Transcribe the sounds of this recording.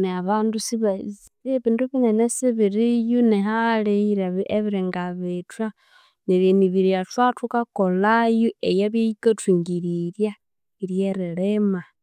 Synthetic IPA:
neaβandusiβa | βiːnduβinenesiβiɾijunehaliɾaβeβiɾeŋɡaβetwa | niβeniβiɾiatwatukakolajuejaβjejikatwiːŋɡiɾiɾja | iɾjeɾilema

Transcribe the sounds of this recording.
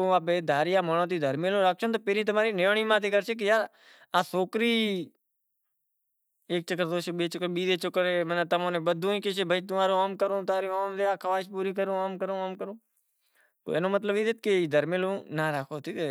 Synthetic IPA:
oaːpeːd̪ʱaːɾiːaːmonõːt̪̬iːd̪ʱəɾmeːlõːɾaːk̚t͡ʃʰoːt̪oːpeːɾiːt̪̬əmaːɾiːneɳiːmãːt̪iːkəɾt͡ʃʰeːk̬ɪjaːɾ | aːsoːkɾiː | eːk̚t͡ʃəkːəɾd̪oːʃoːɓeːt͡ʃəkːəɾɓiːd̪eːt͡ʃʊkːəɾeːmənaːt̪əmõːnẽːɓəd̪ʱũːĩːkeʃeːbʱəiːt̪ʊmaːɾõaːmkəɾõːt̪aːɾĩːaːmd̪eːaːkʰəʋaːʃpuːɾiːk̬əɾũːaːmkəɾõːaːmkəɾõː | t̪o̰eːnõːmət̪̬ləbiːd̪eːt̪̚keiːd̪ʱəɾmelõːnaːɾaːkʰoːt̪iːke

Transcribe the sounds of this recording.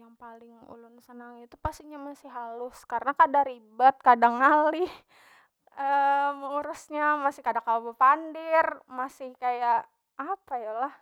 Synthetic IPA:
jaŋpalɪŋṵlʊnsənaŋit̪upast̪iɲamasɪhɦalʊskaɾənakadaɾibat̪̚kadaŋali | əməuɾusɲamasɪhkadakalabəpandirmasɪhkajaʔ | apajalah

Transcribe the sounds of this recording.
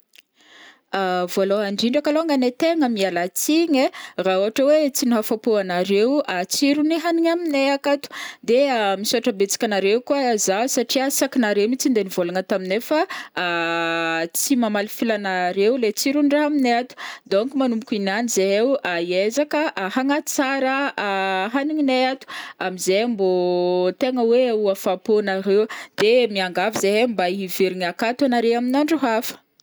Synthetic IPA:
avoloaɳɖ͡ʐiɳɖ͡ʐakaloŋɡanet̪eŋəmialat͡siɲerauɦaʈ͡ʂəwet͡siniɦafapuanaɾewat͡siɾuniɦaniɲamineakat̪u̥d̪eamisoaʈ͡ʂəbet͡si̥kʲanaɾewkuazasaʈ͡ʂiasakinaɾemit͡sind̪enivolaŋət̪aminefəː | t͡simamalifilanaɾewlet͡siɾuɳɖ͡ʐaɦamineat̪u̥d̪oŋkumanumukʲinanizeewaiezakəʔaɦaŋat͡saɾə | ɦaniɲineat̪u̥amizembot̪eŋəweuafaponaɾewd̪̥emiaŋɡavizembaiviɾiŋakat̪anaɾeaminaɳɖ͡ʐuɦafə̥

